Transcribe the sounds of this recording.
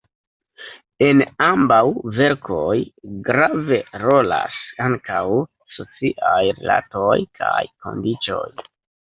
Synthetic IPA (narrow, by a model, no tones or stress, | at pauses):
e̞nambawve̞ɾkʰo̞jɡɾave̞ɾo̞la̰saŋkaw | so̞t͡siʔajɾḛla̰to̞jkʰajko̞̰ndit͡ʃo̞̰j